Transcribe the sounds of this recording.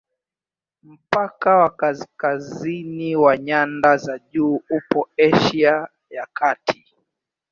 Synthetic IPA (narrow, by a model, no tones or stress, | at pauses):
m̩pakawakaskaziniwaɲandazaʄuːupɔɛʃia | jakʰatʰi̥